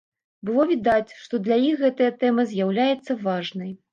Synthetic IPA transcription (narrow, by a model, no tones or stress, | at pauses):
bɨlˠɔvʲid̪at͡sʲʂt̪ɔd̪lʲajixːɛt̪ɐjɐt̪ɛmɐzʲjawlʲajɛt̪sːɐvaʐnɐj